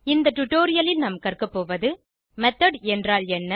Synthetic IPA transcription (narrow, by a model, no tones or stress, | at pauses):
ɪnd̪ɐʈʊʈːoːɾɪjɐlɪlnɐmɐkːɐrkɯpːoːʋɐðɯ | mɛt̪ːɐɖɛndraːlɛnːɐ